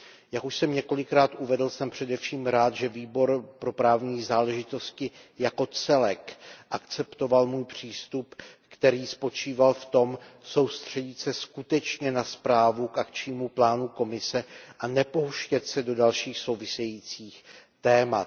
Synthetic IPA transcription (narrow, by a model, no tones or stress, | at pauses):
jakuʃsɛmɲɛko̞lɪkɾaːt̪ʔuvɛdl̩sɛmpr̝̥ɛdɛfʃiːmɾaːt̪ʒɛviːbo̞ɾpɾo̞pɾaːvɲiːzaːlɛʒɪt̪o̞scɪjako̞t͡sɛlɛkʔakt͡sɛpt̪o̞valmuːjpr̝̥iːst̪upkt̪ɛɾiːspo̞t͡ʃiːvalft̪o̞mso̞wst̪r̝̥ɛɟɪt̪sɛskut̪ɛt͡ʃɲɛnaspɾaːvukʔakt͡ʃɲiːmuplaːnuko̞mɪsɛʔanɛpo̞ɦuʃcɛt̪sɛdo̞dalʃiːxso̞wvɪsɛjiːt͡siːx | t̪ɛːmat̪